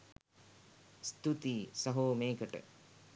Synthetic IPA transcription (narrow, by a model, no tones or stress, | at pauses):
st̪ut̪iːsɐɦoːmeːkəʈə̰